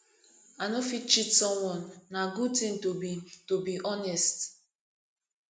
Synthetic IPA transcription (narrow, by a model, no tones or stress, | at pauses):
anofit͡ʃitsɔmwɔnːaɡud̚tɪ̃ŋtobitobiʔɔnɛst